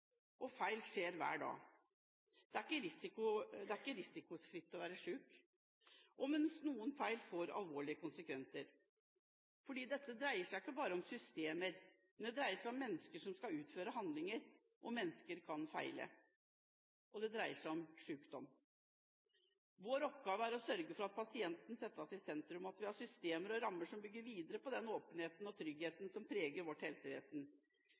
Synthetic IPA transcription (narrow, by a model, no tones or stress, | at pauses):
ʔɔfæɪlʂeːɾʋæ̰ːɖɑ̰ː | d̪̥ɛæɾɪkːəɾɪsɪkʊd̪ɛæɾɪkːəɾɪsɪkʊsfɾɪt̪ːɔʋæːɾəʂʉːk | ʔɔmɛnsnuːənfæɪlfoːɾɑ̰lʋoːɭɪəkʊnsəkʰʋɛnsəɾ | fɔɖiːd̪ɛt̪ːəd̪ɾæɪəʂæɪɪkːəbɑːɾəɔmsʏst̪eːməɾ | mnd̪ɛd̪ɾæɪəʂæɪɔmːɛnːəskəʂɔmskɑʉːt̪føːɾəɦɑnd̪lɪŋəɾ | ʔɔmɛnːəskəɾkʰɑnfæ̰ɪlə̰ | ʔɔd̪ɛd̪ɾæɪəʂæɪɔmʂʉːkd̪ɔmː | ʋoːɾɔp̚ɡɑːʋəæɾɔsœɾɡəfɔɾɑt̪̚pʰɑsɪɛnt̪nsɛt̪ːəɔsɪsɛnt̪ɾʉmɑt̪ʋɪhɑʂʏst̪eːməɾɔɾɑmːəʂɔmbʏɡːəɾʋiːd̪əɾəpɔd̪ɛnoːpənheːt̪nɔt̪ʰɾʏɡheːt̪n̩sɔmpʰɾeːɡəɾʋɔʈːhɛlsəʋḛːsn